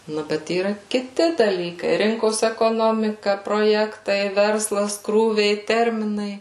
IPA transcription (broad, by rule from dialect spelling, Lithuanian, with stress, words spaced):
ˈnʊ ˈbʲɛt iːˈrɐ kʲɪˈtʲɪ dɐˈlʲiːkɐɪ ˈrʲɪŋkoːs ɛkoːˈnoːmʲɪkɐ proːˈjæːktɐɪ ˈʋʲɛrslˠɐs ˈkruːʋʲɛɪ ˈtʲɛrʲmʲɪnɐɪ